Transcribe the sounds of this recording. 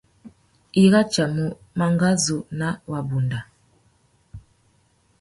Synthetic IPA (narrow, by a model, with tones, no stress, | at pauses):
i˦ɣa˦t͡ʃa˨mu˨ | ma˨ŋɡa˦zu˨na˦wa˨bu˨nda˨